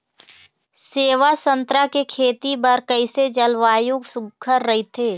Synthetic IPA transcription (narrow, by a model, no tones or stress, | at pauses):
seːʋasə̃nt̪ɾakekʰeːt̪ibɐɾkəɪsed͡ʒɐlʋaːjʊɡsʊkʰːəɾːɐɦet̪ʰeː